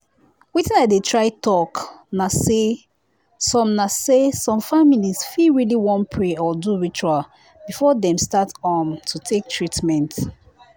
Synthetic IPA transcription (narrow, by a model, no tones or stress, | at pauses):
witĩnadetʰɹaɪtɔknase | sɔ̃mnasesɔ̃mfamilizfiɹiliwɔ̃npʰɹeɔduɹit͡ʃual | b̥ifɔdɛ̃mstatɔmtʰutʰek̚tʰɹitmɛ̃nt